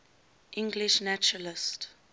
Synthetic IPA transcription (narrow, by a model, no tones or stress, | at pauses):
ʔɪ̃ŋɡliʃnæt͡ʃɹəlɪst